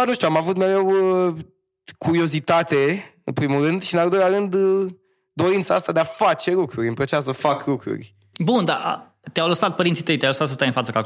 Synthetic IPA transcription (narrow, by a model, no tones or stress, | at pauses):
anuʃt̪ʲuamavut̪me̞ɾe̞w | kʰuɾio̞zit̪at̪e̞ɨnpɾimuɾɨnd̪ʃiɨnald̪o̞jlʲaɾɨnd̪ | d̪o̞ɾint̪saast̪ad̪eafat͡ʃe̞lukɾuɾʲɨmpət͡ʃas̬əfaklukɾṵrʲ | bund̪a̰ʔ | t̪eawləsat̪̚pəɾint̪sit̪əjt̪jawləsat̪səst̪ajɨnfat̪səka